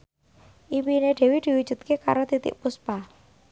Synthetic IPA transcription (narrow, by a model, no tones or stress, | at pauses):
ʔiwineɖ̪̥e̤wid̪̥i̤wud̥ʒ̥ṳt̪̚keka̰ɾot̪it̪ɪ̰ʔpuspa